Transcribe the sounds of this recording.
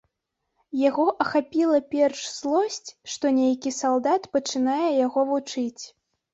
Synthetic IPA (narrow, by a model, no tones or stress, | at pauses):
jaɣɔʔɐxapʲilˠɐpʲɛrʂz̥lˠɔsʲt͡sʲʂt̪ɔnʲejkʲisalˠd̪at̪pɐt͡ʂɨnajɛjaɣɔvut͡ʂɨt͡sʲ